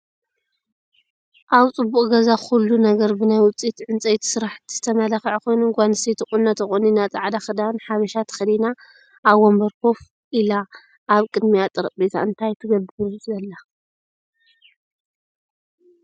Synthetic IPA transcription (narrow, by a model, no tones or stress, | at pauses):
ʔaβt͡sʼɨbːuʔʼɡɐzaxulːunɐɡɐɾbɨnajwʊt͡sʼit̪ʕɨnt͡sʼɐjt̪ʰsɨɾaħt̪ʰz̥ɨt̪ʰɐmɐlaxʕkʰo̞jnuŋɡʷanɨsejt̪ʰɨxʼunːɐt̪ɐxʼuninat͡sʼaʕd̪axɨd̪anħaβɐʃat̪ʰɐ̥xɐd̪ina | ʔːβwombɐɾkof | ʔila | ʔːβkʼɨd̪mijat̪ʼɨɾɐqʼbet̪ʰaɨnt̪ʰajt̪ʰɨɡɐbɨɨzɐlːa